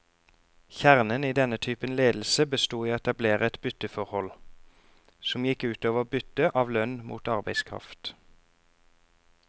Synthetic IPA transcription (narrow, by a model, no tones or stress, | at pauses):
çæʁnəniːd̪ɛnət̪ʰyːpənleːd̪l̩səbəst̪uːiːɛt̪ɑbleːʁəɛt̪bʏt̪əfɔʁhɔl | sɔmjɪkʉːt̪oːʋəʁoːbʏt̪əʔɑːʋlœnmṵːt̪ɑʁbæɪskʰʁɑ̰ft̪